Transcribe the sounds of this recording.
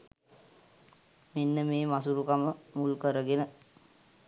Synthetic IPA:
menːəmeːmasuɾukaməmulkəɾəɡenə

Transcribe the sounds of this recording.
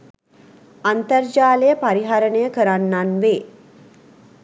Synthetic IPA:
ant̪ərd͡ʒaːlejəpaɾiɦaɾənəjəkəɾanːanʋeː

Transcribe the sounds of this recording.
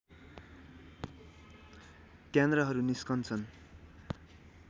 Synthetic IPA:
kjend̪rʌɦʌɾuniskʌnt͡sʰʌn

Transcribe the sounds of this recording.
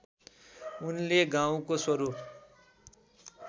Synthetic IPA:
unleɡaw̃koswʌɾup

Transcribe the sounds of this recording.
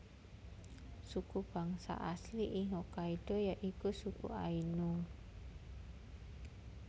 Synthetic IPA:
sukub̥aŋsa̰ʔasliʔiŋɔkaiɖ̥ɔjaʔikusukṵʔainu

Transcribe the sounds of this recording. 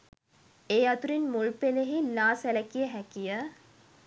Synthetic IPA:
eːat̪uɾinmuɭpeleɦilaːsæləkijəɦækijə

